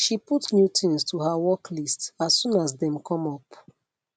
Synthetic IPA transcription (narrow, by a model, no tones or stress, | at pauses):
ʃiputnjutĩnstʰuhawɔklistsassũnasdɛ̃mkʰɔ̃mɔp